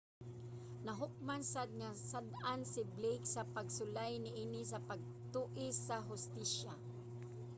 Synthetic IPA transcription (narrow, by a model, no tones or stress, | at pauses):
naɦʊk̚mansad̪̚ŋasad̪ansɪblejksapaɡsʊlajnɪʔiːnɪsapaɡ̚t̪uːʔɪsaɦʊst̪iʃa